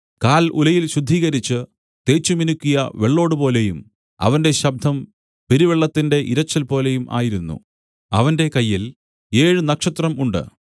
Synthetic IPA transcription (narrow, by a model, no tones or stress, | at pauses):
kaːlṵlɐjilɕud̪ʱːiːɣɐɾit͡ɕːɨ | t̪e̞ːt͡ɕːuminukʲːujɐʋeɭːo̞ːɽɨpo̞ːle̞jum | ɐ̰ʋɐnde̞ɕɐb̚d̪ʱɐm | peɾiʋeɭːɐt̪ːinde̞ʔiɾɐt͡ɕːɐlpo̞ːle̞jumʔa̰ːjiɾunːṵ | ɐ̰ʋɐnde̞kɐjːil | e̞ːɻɨnɐkʂɐt̪rɐmuɳɖɨ̰